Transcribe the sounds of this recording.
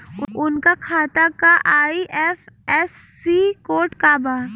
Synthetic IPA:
ʊʊnkakʰaːt̪akaʔaːiʔɛfɛːsːikoːʈkaːbaː

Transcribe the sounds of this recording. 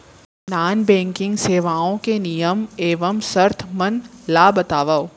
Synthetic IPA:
naːnbɛ̃ːŋkɪ̃ŋɡseːʋaːõkenijəmeːʋəmsɐɾt̪ʰmɐnlaːbɐt̪aːʋə

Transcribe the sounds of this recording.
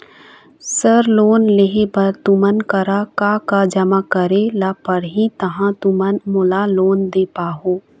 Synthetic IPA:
səɾloːnleɦebɐɾt̪ʊmənkəɾakaːkad͡ʒəmakəɾelaːpəɾɦĩt̪ɐɦãt̪ʊmənmʊlaloːnd̪eːpaːɦoː

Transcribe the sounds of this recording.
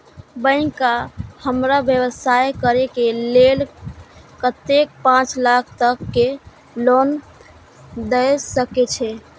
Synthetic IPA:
bə̃ɪ̃kahəmɾabjəβəsajkəɾekelel | kət̪ek̚pãt͡ʃlakʰt̪əkːe | lon | d̪əjsəket͡ʃʰɛ

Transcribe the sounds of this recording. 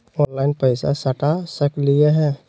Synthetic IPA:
ɔːnlaɪnpəɪsa̰səʈʰasəklieɦɛ̃ː

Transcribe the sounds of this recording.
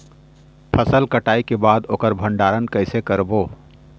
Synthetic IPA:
pʰəsəlkəʈaːikebaːd̪oːkəɾbʱəɳɖaːɾənkəɪsekəɾboː

